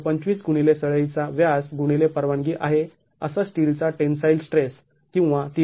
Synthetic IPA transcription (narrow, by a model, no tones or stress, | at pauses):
pəɲt͡ɕʋiːsɡuɽ̃ilesəɭəjt͡saʋjasɡuɽ̃ilepəɾʋaɳɡiːʔaɦe | ə̰sasʈilt͡saʈensajlsʈɾes | kĩw̃ʋat̪i